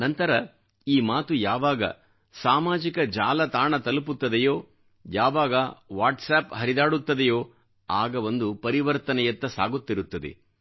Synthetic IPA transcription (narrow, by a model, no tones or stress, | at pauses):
nɐnt̪ɐɾɐ | iːmaːt̪ujaːʋaːɡɐ̰ | saːmaːd͡ʒikɐd͡ʒaːlɐt̪aːɳɐt̪ɐluput̪ːɐd̪ɛjoː | jaːʋaːɡɐʋaːʈsaːpɦɐɾid̪aːɽut̪ːɐd̪ejoː | aːɡɐʋond̪upɐɾiʋɐɾt̪ɐnɛjɐt̪ːɐsa̰ːɡut̪ːiɾut̪ːɐd̪ḛ